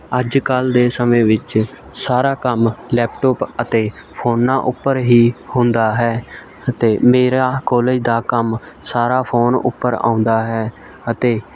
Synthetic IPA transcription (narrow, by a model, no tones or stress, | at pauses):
əd͡ʒkəld̪eːsəmẽːʋɪt͡ʃ | saːɾaːkəmlɛːp̚ʈɔːpət̪eː | pʰoːnːãːʔʊpːəɾɦiːhʊ̃nd̪aːɦɛː | ət̪eːmeːɾaːkɔːleːd͡ʒd̪aːkəm | saːɾaːpʰoːnʊ̰pːəɾã̰ːʊ̃nd̪aːɦɛː | ət̪eː